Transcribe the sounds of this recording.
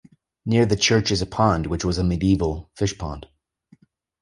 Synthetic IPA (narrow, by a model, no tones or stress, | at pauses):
nɪɹðɨt͡ʃʰɜ˞t͡ʃɨzɨpʰɑ̃nd̚wɨt͡ʃwʌzɨmɨdiivl̩ˠfɪʃpʰɑ̰̃nd̥